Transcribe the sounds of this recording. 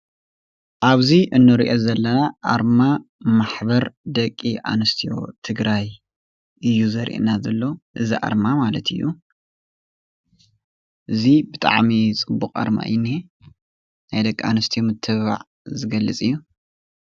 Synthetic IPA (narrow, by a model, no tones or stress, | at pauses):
ʔaβziʔɨnːɨɾiʔozɐlːɐnaʔa̰ɾmamaħbɐɾd̪ɐkʼːiʔa̰nɨst̪ʰijo̞̰t̪ʰɨɡɾaj | ʔɨjːuzɐɾʔḭʔnazɐlːoʔɨziʔa̰ɾmamalɐt̪ʰɨ̰jːu | ʔɨzibɨt̪ʼa̰ʕmit͡sʼɨbːuqʼa̰ɾma̰jnːi | najd̪ɐkʼːia̰nɨst̪ʰijomɨt̪ʰːɨβa̰ʕ | zɨɡɐlːɨt͡sʼɨjːu